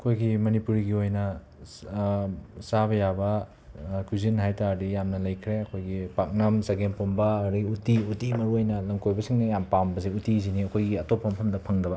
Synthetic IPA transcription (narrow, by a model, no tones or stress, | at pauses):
ɐkʰojɡimɐnipuɾiɡiojnɐ | saβɐjabɐ | kʰuzinɦajtaɾdijamnɐlɐjkʰɾeɐkʰojɡipak̚nɐmsaɡenpombɐːɾiutiutimɐɾuojnɐlɐŋkojbɐsiŋnɐjampambɐzeutiziniɐkʰojɡiɐtopʰːɐmpʰɐmdɐpʰɐŋdɐbɐ